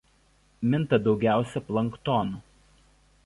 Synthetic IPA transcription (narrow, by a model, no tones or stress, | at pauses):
mʲɪnt̪ɐd̪ɒʊɡʲæˑʊsʲɛplˠɐŋˑkt̪ɔnu